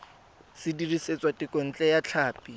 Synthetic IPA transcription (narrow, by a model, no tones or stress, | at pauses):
sɪdiriset͡sʼwatʼɪkʼɔn̩t͡ɬʼɛjat͡ɬʰaːpʼi